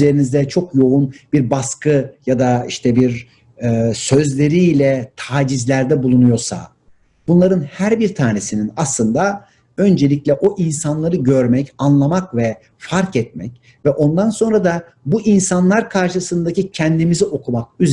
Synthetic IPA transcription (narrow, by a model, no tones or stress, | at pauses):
ze̞ɾinizd̪ɛt͡ʃʰo̞kjo̞unbiɾbaskʰɯjad̪aiʃt̪ʰɛbiɾː | sø̞zlʲe̞ɾilʲɛt̪ʰaːd͡ʒizlʲæɾd̪ɛbulˠunujo̞ɾsa̰ | b̥unlˠaɾɯnhæɾbiɾt̪ʰaːne̞sininaslˠɯnd̪a | ø̞nd͡ʒe̞lʲiclʲɛʔo̞ʔinsanlˠaɾɯɟø̞ɾmɛcanlˠamakvɛ | faɾkɛt̪̚mɛ̰c | vɛʔo̞nd̪anso̞nɾad̪a | buʔinsanlˠaɾkʰaɾʃɯsɯnd̪acʰicʰɛnd̪imizio̞kʰumak̚yz